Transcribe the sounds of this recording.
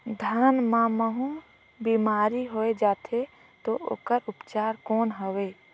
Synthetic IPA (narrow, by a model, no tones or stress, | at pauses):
d̪ʱaːnmãməɦũ | biːmaːɾiɦoed͡ʒaːt̪ʰe | t̪oʔo̰ːkəɾʊpt͡ʃaːɾkoːnɦəʋeː